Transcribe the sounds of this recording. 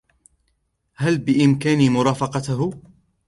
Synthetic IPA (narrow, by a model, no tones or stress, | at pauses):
halbɪʔɪmkaːnimʊɾˤɑːfɑqɑt̪ɦ